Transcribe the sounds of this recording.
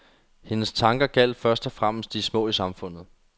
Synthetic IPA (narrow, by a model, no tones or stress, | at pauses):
he̝nəst͡sʰɑ̈ŋɡ̥ɐɡ̥æl̰d̥fɶɐsd̥ɒ̽fʁam̰əsd̥ismɔ̰̽ːisɑ̈mfɔ̽n̰ð̩ˠ